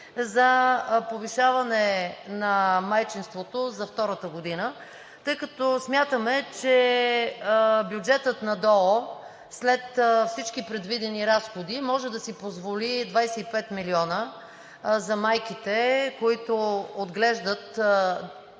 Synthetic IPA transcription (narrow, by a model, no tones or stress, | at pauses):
zɐpoviʃavɐnɛnɐmajt͡ʃinst̪vot̪ozɐft̪ɔɾət̪əɡod̪inə | t̪ɤjkɐt̪ɔsmʲjat̪əmɛt͡ʃɛ | bjud͡ʒɛt̪ət̪nɐd̪ɔo | slɛt̪fsit͡ʃkipɾɛd̪vid̪ɛniɾasxod̪imɔʒɛd̪ɐsipozvolid̪vajsɛipɛt̪miliɔnə | zɐmajkit̪ɛkoit̪ood̪ɡlɛʒd̪ət̪